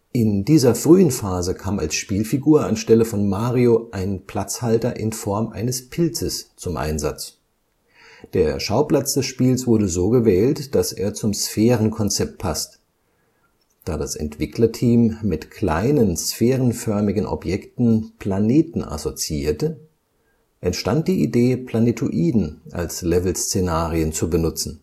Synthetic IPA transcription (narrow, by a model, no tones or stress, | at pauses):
ʔɪndiːzɐfʁ̥yːənfaːzəkʰaːma̰lsʃpiːlfiɡuːɐa̰nʃtɛləfɔnmaːʁioʔaɪnpl̥at͡shaltɐʔɪnfɔɐmʔa̰ɪnəspʰɪlt͡səst͡sʊmʔa̰ɪnza̰t͡s | d̥eːɐʃaʊpl̥at͡sd̥ɛsʃpiːlsv̥ʊɐɾəzoːɡəvɛːltd̥asḛːɐt͡sʊmsfɛːʁ̞ənkʰɔnt͡sɛp̚t̚pʰast | d̥aːdasɛ̰ntv̥ɪklɐtʰiːmːɪtkʰla̰ɪnənsfɛːʁənfœɐmɪɡən̩ʔɔ̰pjɛktn̩pʰl̥aneːtn̩ʔa̰sot͡siiːɐtə | ʔɛntʃtant̚d̥iːʔideːpʰl̥anetʰoʔiːdn̩ʔa̰lslɛvl̩st͡senaːʁiənt͡subənʊt͡sn̩